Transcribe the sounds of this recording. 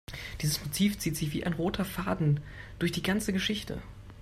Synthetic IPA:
d̥iːzəsmotʰiːft͡siːtz̥ɪçv̥iːʔaɪnʁoːtʰɐfaːdn̩ | d̥ʊɐçd̥iːɡant͡səɡəʃɪçtʰə̰

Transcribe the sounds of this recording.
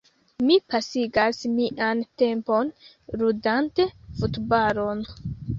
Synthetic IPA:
mipasiɡasmiʔante̞mpo̞n | ɾudante̞futbaɾo̞n

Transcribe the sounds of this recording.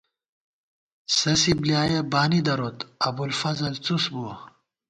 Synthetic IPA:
sɐsiblijaːjɐbaːnid̪ɐɾot̪ɐbulfɐzɐlt͡susbuɐ

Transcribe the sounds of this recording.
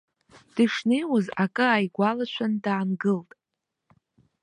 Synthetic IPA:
d̥ɨʂnejwazakʼɨajɡʷalat͡ʃʷʰandaːnɡɨltʼ

